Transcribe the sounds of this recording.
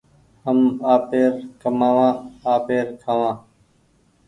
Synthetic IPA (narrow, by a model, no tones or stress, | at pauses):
həmaːpeːɾkəmaːʋãːaːpeːɾkʰaːʋãː